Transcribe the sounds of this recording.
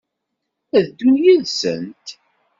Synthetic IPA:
æðd̪unjiðsə̰nt̪

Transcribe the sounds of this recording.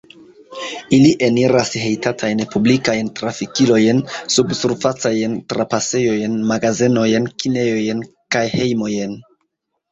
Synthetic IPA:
iliʔe̞niɾashe̞jtatʰajnpublikajntɾafikilo̞jnsubsuɾfat͡sajntɾapase̞jo̞jnmaɡazeno̞jnkine̞jo̞jen | kajhe̞jmo̞jen

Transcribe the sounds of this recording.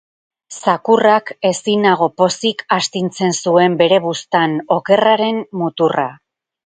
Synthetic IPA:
sakurake̞sinaɣ̞o̞po̞sikast̪int͡se̞nsue̞mbe̞ɾe̞βust̪ano̞ke̞raɾe̞nmut̪ura̰

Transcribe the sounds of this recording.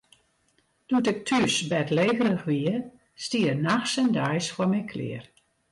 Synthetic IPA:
d̥utɪk̚tʰysbɛtleːɣərəxʋiə | stiərnaxsɛndajsfɔmɛjkʰlɪ̰ər

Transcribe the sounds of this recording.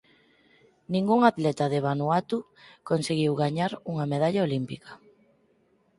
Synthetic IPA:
nĩŋɡuŋat̪lɛt̪aðeβanuat̪u | konseɣiwɣaɲaɾuŋɐmeðaʎaolimpikɐ̥

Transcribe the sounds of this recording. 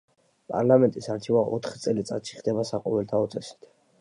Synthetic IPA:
pʼa̰ɾlamɛnt̪ʼisaɾt͡ʃʰivaʔɔ̰t̪ʰχt̪sʼɛlit̪sʼat̪ʃi̥χd̪ɛbasaqʼɔvɛlt̪ʰaɔt̪sʼɛsi̥t̪ʰ

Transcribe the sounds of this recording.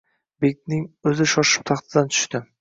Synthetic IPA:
bek̚ʲt̪nɪŋɵzɪʃɒʃɪ̥p̚t̪ʰɑχt̪ʰɪd̪ant̪ʰʊ̥ʃt̪ɪ

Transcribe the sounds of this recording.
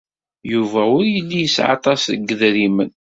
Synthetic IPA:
juvæʊɾjəlːijəsʕɑ̰t̪ˤɑsðəɡːəðɾimən

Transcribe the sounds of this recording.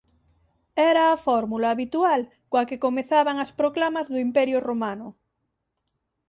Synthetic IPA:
ɛɾaːfɔɾmulaːβit̪ual | kwakekomeθaβaŋaspɾoklamazðoimpɛɾjoromanʊ

